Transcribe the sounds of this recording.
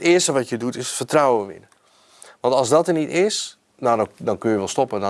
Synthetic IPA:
tɪəstəʋɔtjədutɪsfərtrawəʋɪ̰nə | ʋɑntɔlˠzdɔtənitɪs | nadɔdɔnkøjəʋɛlˠstɔpədɔ

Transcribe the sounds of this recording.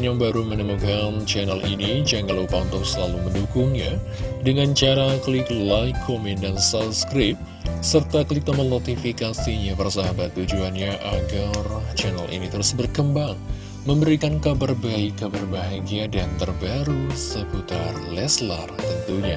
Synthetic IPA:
njaŋbaɾumənəmukant͡ʃɛnəlʔḭnid͡ʒaŋɡalupaunt̪ɔŋsəlaluməndukuŋɲa̰ | dəŋant͡ʃaɾakliklajkʰːomin̚dansapskɾɪp̚ | sərt̪akəlit̪amənot̪ifikasiɲapərsaɦabat̪ːud͡ʒuanɲaʔaɡart͡ʃɛnə̰lʔḭnit̪əɾusbərkəmbaŋ | məmbəɾikankabarbaikːabarbaɦaɡiadant̪ərbaɾusəput̪arlɛsla̰rt̪ənt̪uɲa

